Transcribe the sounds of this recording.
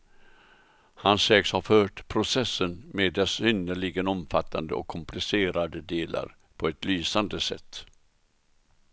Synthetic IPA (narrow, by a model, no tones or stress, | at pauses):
hansɛːkshaɾfœːʈpʰɾʊsɛsːənmeːd̪ɛsʏnd̪əɭɪɡənɔmfat̪ʰːand̪əɔ̰kʰːɔmplɪseːɾad̪əd̪eːlʔa̰ɾ | pʰɔɛt̪lyːsand̪əsɛ̰t̪ː